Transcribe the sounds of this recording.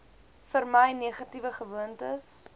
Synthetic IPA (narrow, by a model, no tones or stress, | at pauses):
fərməjniəχɐtivəχəvuəntəs